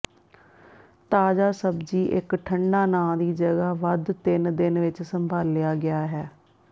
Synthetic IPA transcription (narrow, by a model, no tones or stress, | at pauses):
t̪aːd͡ʒaːsəbd͡ʒiːʔɪkʈʰəɳɖaːnãːd̪iːd͡ʒəɡaːʋəd̪t̪ɪnd̪ɪnʋɪt͡ʃsəmbʱaːlːɪjaːɡɪaːɦɛː